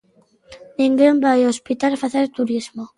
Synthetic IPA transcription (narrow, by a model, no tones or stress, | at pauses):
nĩŋɡembajospit̪alfaθeɾt̪uɾizmo